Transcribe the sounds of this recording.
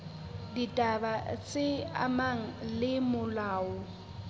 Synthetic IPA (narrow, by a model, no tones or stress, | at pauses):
ditʼabat͡sʼɪa̰maŋ̩lɪmʊlaːʊ